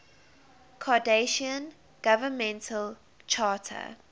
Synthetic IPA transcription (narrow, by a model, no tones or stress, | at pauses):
kʰɔdeʃiə̃n | ɡ̥avəmɛ̃ntʰəl | t͡ʃʰɑːtʰə̰